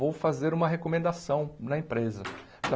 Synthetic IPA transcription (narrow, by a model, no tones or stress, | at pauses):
owfazeɾũmɐɦekomẽnd̪asɐ̃w̃nɐẽpɾezɐ